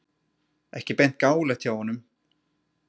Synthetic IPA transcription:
ɛhcɪpejn̥t̪̚kaːwlat̪ʰjawhɔnːʏm

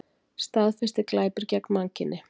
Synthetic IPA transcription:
st̪aːðfɪ̥st̪ɪklaːjpʏɾcaknmaŋcɪnːɪ

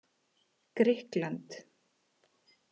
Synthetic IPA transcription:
kɾɪhklant̪

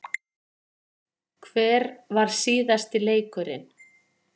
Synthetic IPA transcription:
kʰvɛːɾvaɾ̥siːðast̪ɪleːjkʏɾɪ̰n

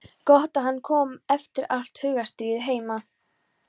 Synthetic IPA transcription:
kɔht̪aɦanːkʰɔːmɛft̪ɪɾal̥t̪hʏɥɣast̪iːɪɦeːjma

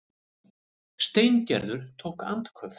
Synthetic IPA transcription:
st̪ejncɛ̰ɾðʏɾ̥t̪ʰowhka̰nt̪kʰvœf

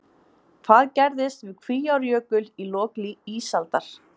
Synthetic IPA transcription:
kʰvaðcɛɾðɪst̪vɪðkʰviːjawɾjœːkʏlilɔːkliiːsalt̪aɾ̥

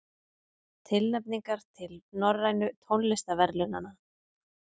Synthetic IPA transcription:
t̪ʰɪlnɛpniŋkaɾ̥t̪ʰɪlnɔɾajnʏt̪ʰownlɪst̪avɛɾlʏna̰na

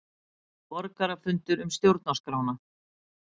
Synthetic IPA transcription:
pɔɾkaɾafʏnt̪ʏɾʏmst̪jowɾt̪̚naskɾaːwna

